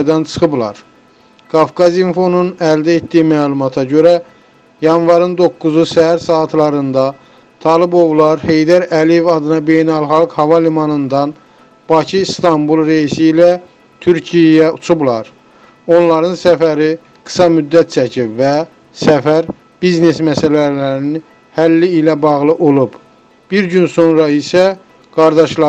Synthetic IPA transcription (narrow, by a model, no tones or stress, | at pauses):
d̪ɑnt͡ʃʰɯ̥xɯblˠɑ̰ɾ | ɡ̥ɑfkɑzimfo̞nunæld̪æet̪d̪ijimæːlˠumɑt̪ʰɑɟø̞ɾæ | jɑnvɑɾɯnd̪o̞kːuzusæɦæɾsɑːt̪ʰlˠɑɾɯnd̪ɑ | t̪ʰɑlˠibo̞vlˠɑɾhe̞jd̪æɾælije̞vɑd̪ɯnɑbe̞jnælχɑlˠkhɑvɑlimɑnɯnd̪ɑn | b̥ɑcʰiːst̪ɑmbulˠɾeisiːlæ | t̪ʰyɾcʰijɛjæut͡ʃʰublˠɑɾ | o̞nlˠɑɾɯnsæfæɾi | ɡ̥ɯ̥sɑmyd̪ːæt̪̚t͡ʃʰæcʰibvæ | sæfæɾ | b̥izne̞smæsælælæɾini | hælːiːlæbɑɣlˠɯʔolˠub | b̥iɾɟynso̞nɾɑisæ | ɡ̥ɑɾd̪ɑʃlɑ